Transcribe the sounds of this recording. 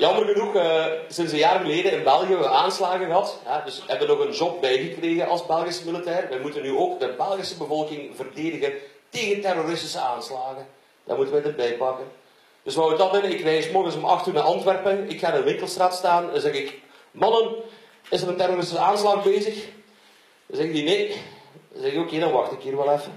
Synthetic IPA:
jɑmərɣənuxəsɪnsəjaːrɣəleːdənɪnbɛlˠɣəəbəʋəʔaːnslaːɣəɣəɦɑtɦɛdɵsəɦɛbdənɔɣənʒɔp̚bɛjɣəkreːɣənʔɑlˠsbɛlˠɣɪsəmilitɛːrʋɛjmutənːyoːkdəbɛlˠɣɪsəbəvɔlˠkɪŋvərdeːdəɣən | teːɣəntɛroɾɪstɪ̥səaːnslaːɣə | d̥a̰mutənʋɛjdərbɛjpɑkən | d̥ɵsʋawək̚dɑnʋɪnəɪkʋɛjsmɔrɣənsɔmɑ̰xtyːnaʔɑntʋɛrpənɪkxaːɾənʋɪŋkəlˠstraːtstaːnənzɛɣɪk | mɑnən | ɪzəɾəntɛɾoɾɪstɪsaːnslaːɣbeːzəx | zɛɣəndineː | zɛɣɪkokeːdɑnʋɑxtɪkɦiːrʋɛlˠɛf

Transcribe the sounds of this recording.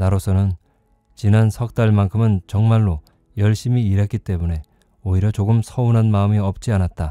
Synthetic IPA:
naɾosʰʌnɯn | t͡ɕinansʰʌk̚t͈aɭmankʰɯmɯnt͡ɕʌŋmaɭːo | jʌɭɕ͈imiːɾak͈it͈e̞mune̞ | oiɾjʌt͡ɕoɡɯmsʰʌunɦanmaɯmiʌp̚t͡ɕ͈ianat̚t͈a

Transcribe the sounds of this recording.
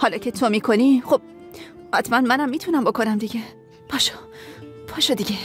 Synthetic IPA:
hɒːlɒːcʰe̞t̪ʰomiːkʰoniχob̥̚ | hæt̪ʰmænmænæmːiːt̪ʰunæmbo̞kʰo̞næmd̪iɟe | pʰɒːʃo̥ | pʰɒːʃod̪iɟe

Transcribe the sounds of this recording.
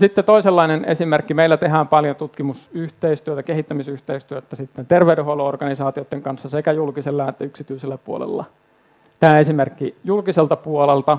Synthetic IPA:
sit̪ːet̪oiselːɑinenḛsimerkːimeilːæt̪eɦæːmpɑljot̪ut̪kimusyht̪eist̪yøt̪ækehit̪ːæmisyht̪eist̪yøt̪ːæsit̪ːent̪erʋeydeholoorɡ̥ɑnisɑːt̪iot̪ːeŋkɑnsːɑsekæjulkiselːɑɑnet̪ːæyksit̪yiselːæpuo̰lḛlːɑ̰ | t̪æːesimerkːijulkiselt̪ɑpuolelt̪ɑ

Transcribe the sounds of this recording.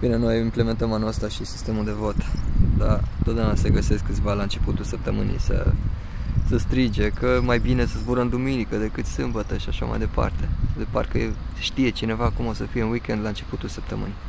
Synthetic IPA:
b̥ine̞no̞jimple̞me̞nt̪əmanoəst̪aʃisi̥st̪e̞muld̪e̞vo̞t̪d̪a̰t̪ot̪d̪aunase̞ɡəse̞skːɨt̪sʲvalaɨnt͡ʃe̞put̪ulsəp̚t̪əmɨ̰nḭsə̰ | səst̪ɾid͡ʒe̞kəmajbine̞səzbuɾəmd̪uminikəd̪e̞kɨt̪sɨmbət̪əʃiaʃa̰ma̰jd̪e̞pa̰rt̪e̞d̪epa̰rkə̰ʃt̪ije̞t͡ʃine̞vakumo̞səfijeunwikʲe̞nd̪laɨnt͡ʃe̞put̪ulsəp̚t̪əmɨ̰ni

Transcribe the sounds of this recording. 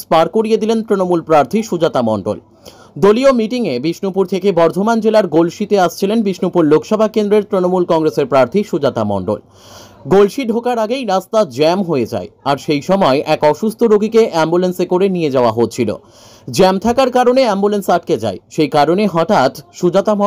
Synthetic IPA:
spaɾkoɾied̪ilent̪ɾinomulpɾaɾt̪ʰiʃud͡ʑat̪amɔɳɖo̰l | d̪oliomiʈiŋebiʃnopuɾt̪ʰekebɔɾd̪ʱomand͡ʑelaɾɡolʃit̪eaʃt͡ɕʰilenbiʃnupuɾlokʃɔbʱakend̪ɾeɾt̪ɾinomulkɔŋɾeseɾpɾaɾt̪ʰiʃud͡ʑat̪amɔ̰ɳɖo̰l | ɡolʃiɖʱokaɾaɡejɾast̪ad͡ʑɛmɦoed͡ʑa̰eaɾʃejʃɔmɔeʔɛkɔʃust̪ʰoɾoɡʱikeʔɛmbulensekoɾenied͡ʑaoaɦott͡ɕʰilo̰ | d͡ʑɛmt̪ʰakaɾkaɾoneɛmbulensaʈ̚ked͡ʑa̰eʃejkaɾoneɦɔʈat̪ʃud͡ʑat̪a

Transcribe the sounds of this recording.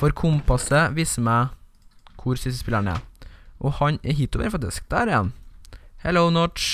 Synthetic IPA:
fɔɾkʰʊmpɑsəʋiːsəmæː | kʰʊɾsʏst̪əspɪləɳɛ̰ʔɔhɑɲɛɦɪt̪ːʊʋḛɾfɑk̚t̪ɪsk̚d̪æɾɪjɛ̰nhɛloʊnɔʈt͡ʃ

